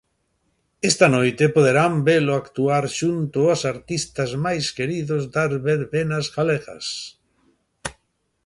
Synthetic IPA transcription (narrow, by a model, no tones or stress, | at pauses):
est̪anojt̪epoð̞eɾambeloakt̪uaɾʃunt̪ʊasaɾt̪ist̪azmajskeɾiðozd̪aɾβeɾβenazɣaleɣa̰s